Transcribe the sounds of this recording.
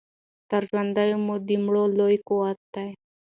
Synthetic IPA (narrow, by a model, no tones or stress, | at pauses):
t̪aɾʒwand̪ajomod̪imɽolojkoat̪t̪aj